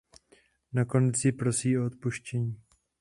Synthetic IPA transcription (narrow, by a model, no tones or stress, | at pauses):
nako̞nɛt͡sɪpɾo̞siːoot̪̚puʃcɛɲiː